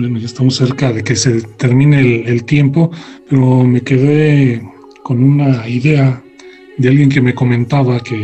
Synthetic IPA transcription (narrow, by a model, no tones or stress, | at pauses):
enoʝaest̪amose̞ɾkaðe̞kese̞t̪e̞ɾmĩnelelt̪je̞mpo̞pe̞ɾo̞me̞ke̞ðe | ko̞nunaiðe̞a | ðe̞alɣje̞ŋk̬e̞me̞ko̞mẽ̞nt̪aβake